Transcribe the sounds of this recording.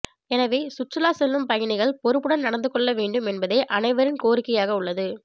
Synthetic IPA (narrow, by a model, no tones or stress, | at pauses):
ɛnɐʋeːsʊʈrɪlaːsɛlːɯmpɐjɐnɪɣɐɭpɔɾɯpːɯɽɐnnɐɽɐnd̪ɯkːɔɭːɐʋeːɳɖɯmɛnbɐðeːʔɐnɐɪʋɐɾɪnkoːɾɪkːɐjaːɣɐʊɭːɐðɯ